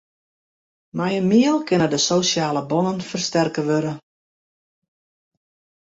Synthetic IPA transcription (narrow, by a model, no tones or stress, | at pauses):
majənmiəlˠkɪnədəsoːsjaːləbɔnənfərstɛrkəʋøɾə